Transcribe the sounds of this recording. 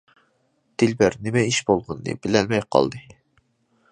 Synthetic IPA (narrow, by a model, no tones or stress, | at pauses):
d̪̥ɪlbæɾnɪmɛiʃbolˠʁʊnːɨ̰bɪlɛlmɛjqʰɑ̰lˠd̪ɨ